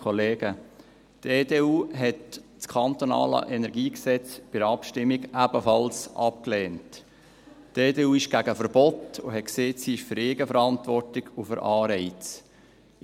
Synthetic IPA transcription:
oleːɡ̥ə | teːdeːuːɦɛtt͡skʰɑnt̪onɑ̰ːlə̰ʔɛnɛɾɡiːksɛt͡sb̥ɪɾɑpʃtɪmːiɡæbəfɑlsʔɑp̚kleːnt | teːdeːuːɪʃɡ̥æɡəfəɾbɔtʊ̰ɦɛtkseːtsiɪʃfʏɾɪːɡəfəɾɑntʋɔrtɪɡʊfʏɾʔɑːɾɛɪt͡s

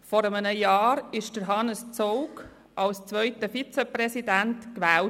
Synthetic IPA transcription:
fɔɾəmənəjɑːɾɪʃd̥əɾɦɑnəst͡sɔʊk | ʔɑlst͡sʋœʏtəfit͡sɛpɾɛsidæntkʋæːl

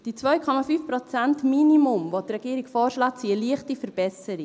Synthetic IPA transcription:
d̥it͡sʋœɥkʰɔmɑfyːfpɾɔt͡sæntminimʊmvɔtɾɛɡ̥iːəɾikfɔːɾʃlɑːt͡siəliəχtifəɾb̥ɛsəɾi

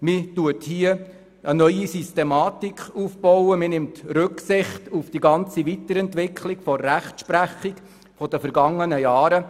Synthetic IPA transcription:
mɪtuəthiə | ənœʏisistemɑːtikχuːfb̥ɔwəmɪnɪmtɾɵksɪχtufd̥iɡɑnt͡siʋitəɾɛntʋɪkʰlikfɔːæχtʃpɾæχik | fɔd̥əfəɾɡɑŋːənəjaɑːɾə

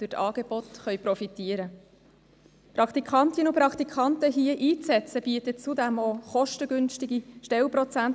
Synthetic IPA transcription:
d̥ʉtʰɑːɡ̥eb̥otχœjpɾɔfitiːəɾə | pɾɑkt̪ikʰχɑntɪnupɾɑkt̪ikʰɑntəɦiəʔiːt͡sɛt͡səb̥iːətət͡sudɛmoχɔʃtəɡʏnʃtɪɡiʃtɛlpɾɔt͡sænt

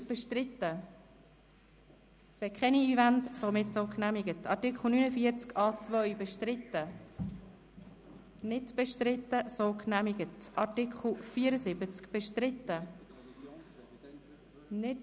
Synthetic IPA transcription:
sb̥ɛʃtɾɪtːə | shɛkʰχɛniːvæntsomɪtsoːknæmɪɡətɑɾtɪkχl̩ˠnynəfiəɾt͡skɑːt͡svʋœɥbɛʃtɾɪt̪ːə | nɪtb̥ɛʃtɾɪt̪ːəsoːknæmiɡətʔɑɾtɪkχl̩ˠfiːəɾəzɪbət͡skb̥ɛʃtɾɪtːə | nɪt

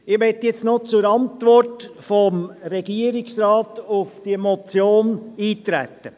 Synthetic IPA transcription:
ɪʋɛtjɛt͡stnot͡sʊɾɑntʋɔrtfɔmɾɛɡ̥iəɾɪksɾɑːtʊfd̥iəmɔt͡sjoːniːtɾæ̰tːə

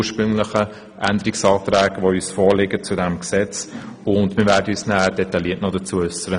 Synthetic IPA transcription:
ʃpɾɵŋləχə | ʔænd̪əɾiksɑːt̪ɾæːɡ̥ʋoyːsfɔːɾlɪɡət͡sudɛmksɛt͡s | ʊndmɪɾvæːɾdəyːsnæːd̥ɛtɑliətnɔdət͡suəʏsəɾə

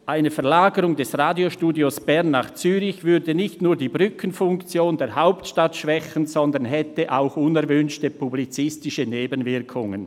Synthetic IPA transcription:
ʔaɪnəfɛɐlaːɡəɾʊŋdɛsʁaːdjoʃtuːdjosb̥ɛɐnːaːχt͡syːɾɪçvʏɾdənɪçtnuːɐdiːbʁʏkʰənfʊŋkt͡sjoːndeːɐɦaʊptʃtatʃv̥ɛçən̩zɔndənɦɛtəʔaʊxʊnɛɐvʏnʃtəpʰublit͡sɪstɪʃəneːbənvɪɐkʰʊŋən

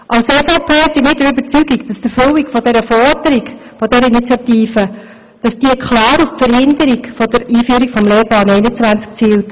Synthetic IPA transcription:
ʔɑʊseːfopʰeːsimɪdəɾybət͡syɡikd̥ɑsd̥əføwikfɔdɛɾəfɔɾdəɾiɡfɔdɛɾəinit͡sjɑtiːfə | d̥ɑsd̥iəkχlɑːɾuffəɾhɪndəɾiɡfɔd̥əɾiːfyːɾikfɔmleːpɑːnɛɪnət͡svænt͡sk̚t͡siːlt

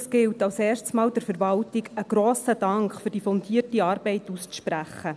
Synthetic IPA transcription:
sɡ̥ɪltɑwsɛːrstsmɑːld̥ɛɾfɛɾʋɑltɪɡəɡ̥ɾoːsəd̥ɑŋkχfɵɾd̥ifɔndiːəɾtiɑːɾb̥ɛɪtust͡sʃpræχːə

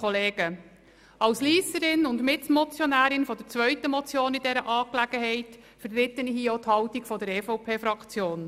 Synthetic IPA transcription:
ɔleːɡ̥ə | ɑwsliːsəɾɪnʊndmɪtmɔt͡sjɔnæːɾɪnfɔd̥əɾt͡sʋœʏtəmɔt͡sjoːnɪdɛɾəʔɑːklæɡ̥əɦɛɪt | fəɾt̪ɾɪtːənhiːɔt̪hɑwtikfɔdəɾɛːfɔwpʰeːfɾɑkt͡sjoːn

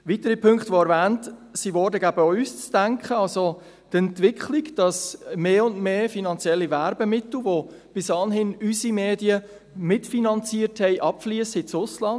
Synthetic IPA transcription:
ʋitəɾipʰʏŋkχtʋoɛɾvæːntsiʋɔɾdəɡæbəoyst͡sd̥æŋkχəɑlso | tɛntʋɪkχliɡd̥ɑsmeːʊndmeːfinɑnt͡sjɛlːivæɾbəmɪtl̩ʋob̥ɪsɑnɦɪnysimeːdiə | mɪtfinɑnt͡siːərthɛɪʔɑpfliəshɪt͡sʊslɑnd

